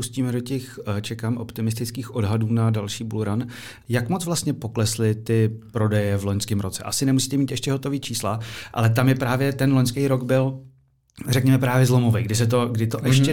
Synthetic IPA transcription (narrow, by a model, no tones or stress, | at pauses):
pusciːmɛdo̞cɛxt͡ʃɛkaːmʔo̞̰pt̪ɪmɪs̬t̪ɪt͡skiːxʔo̞dɦaduːnadalʃiːbuluɾan | jakmot͡svlast̪ɲɛpo̞klɛslɪt̪ɪpɾo̞dɛjɛvloɲskɪmɾʔo̞t͡sɛ̰ʔa̰sɪnɛmusiːt̪ɛmiːt̪ɛʃcɛɦo̞t̪o̞viːt͡ʃiːslaʔa̰lɛt̪̬amjɛpɾaːvjɛt̪ɛnloɲskɛjɾoɡbɪl | rɛkɲɛmɛpɾaːvjɛzlo̞movɛjɡdɪs̬ɛt̪̬o̞ɡdɪt̪oʔɛʃcɛ